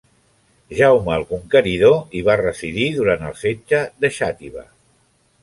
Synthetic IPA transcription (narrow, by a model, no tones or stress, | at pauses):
ʒawməːlˠkuŋkəɾiðoiβ̞arəsiðiðuɾant̪əlˠfed͡ʒəðəʃat̪iβə̰